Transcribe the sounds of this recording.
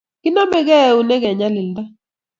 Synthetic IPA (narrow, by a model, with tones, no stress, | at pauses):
ki˦na˦mɛ˦kɛ˦˨u˨nɛ˦kɛ˨ɲa˦lɪ˨lda˦